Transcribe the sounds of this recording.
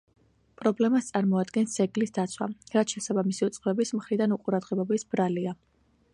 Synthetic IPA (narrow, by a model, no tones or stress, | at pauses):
pʼɾɔblɛmast̪sʼaɾmɔad̪ɡɛnsɛɡlisd̪at̪sʰwa̰ɾat̪ʃɛsabamisiut̪sʼχvɛbismχɾid̪anuqʼuɾad̪ʁɛbɔbisb̥ɾalia